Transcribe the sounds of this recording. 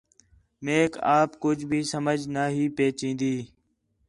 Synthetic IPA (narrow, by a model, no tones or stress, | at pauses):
meːkaːpkʊd͡ʒʱbʱiːsəməd͡ʒʱnaːɦiːpeːt͡ʃĩːnd̪iː